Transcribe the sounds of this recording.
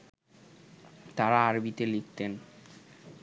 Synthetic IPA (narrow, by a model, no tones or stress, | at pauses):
t̪aɾaaɾbit̪elik̚ʰt̪en